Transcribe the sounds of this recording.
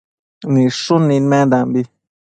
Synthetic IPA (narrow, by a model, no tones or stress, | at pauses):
nĩʂũnĩnmɛ̃d̪ãmbi